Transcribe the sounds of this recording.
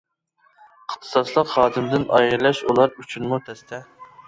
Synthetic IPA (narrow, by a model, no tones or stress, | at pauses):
əχt̪ʰɨ̥sɑslˠəqhɑːd̪ɪmd̪ɪnɑ̰jɨɾlˠɑʃulˠɑɾyt͡ʃʰynmut̪ʰɛst̪ʰɛ